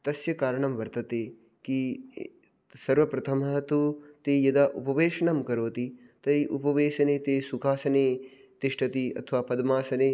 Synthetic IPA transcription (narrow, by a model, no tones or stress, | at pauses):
t̪ɐsjɐkaːɾɐɳɐmʋɐɾt̪ɐt̪eː | ki | sɐɾʋɐpɾɐt̪ʰɐmɐɦɐt̪ut̪eːjɐd̪ɐʔupɐʋeːʃɐɳɐmkɐɾoːt̪it̪ɐiʔupɐʋeːʃɐneːt̪eːsukʰaːsɐneː | t̪iʂʈɐt̪iɐ̰t̪ʰɐʋaːpɐd̪ɐmaːsɐneː